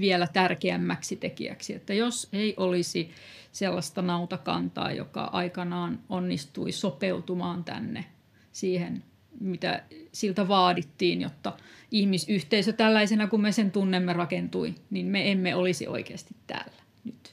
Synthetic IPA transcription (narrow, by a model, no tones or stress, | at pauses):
ʋiɛlæt̪ærkeæmːæksit̪ekḭæ̰ksiḛt̪ːæjoseiʔolisi | selːɑst̪ɑnɑut̪ɑkɑ̰nt̪ɑ̰ːjo̰kɑ̰ʔɑ̰ikɑnɑːnonːist̪uisopeut̪umɑːnt̪æ̰nːe | siːhen | mit̪æ̰silt̪æʋɑːdit̪ːiːnjo̰t̪ːɑihmisyht̪eisøt̪ælːæisenækummesent̪unːemːerɑkent̪uinimmeemːeolisḭʔo̰ikeːst̪it̪tæ̰ːlːæ̥ | nyt̪